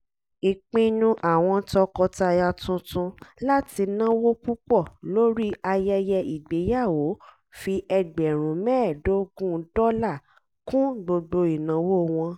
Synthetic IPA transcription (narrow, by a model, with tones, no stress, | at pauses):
i˨k͡pĩ˧nũ˧ʔa˨w̃ɔ̃˧tɔ˧kɔ˧ta˧ja˧tũ˧tũ˧la˦ti˧nã˦wo˦k͡pu˦k͡pɔ˦˨lo˦ɾi˦a˧jɛ˧jɛ˧ʔi˨ɡ͡be˨˦ja˦˨wo˨˦ | fi˧ʔɛ˧ɡ͡bɛ˨ɾ̃ũ˨˦mɛ̃ː˦˨do˨˦ɡũ˦d̥ɔ˦la˦˨ | kũ˦ɡ͡bo˧ɡ͡bo˧i˨nã˨˦wo˦w̃ɔ̃˧